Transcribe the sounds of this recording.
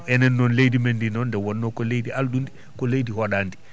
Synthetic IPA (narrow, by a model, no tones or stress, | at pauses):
ɛnɛnːɔnlejdimendinɔndɛwɔnːɔkɔlejdialɗundi | kɔlejdihɔɗaːndi